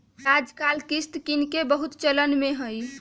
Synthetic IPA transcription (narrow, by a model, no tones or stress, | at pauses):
ɾad͡ʒkalkist̪kinkebəɦut̪t͡ʃələnmeɦəj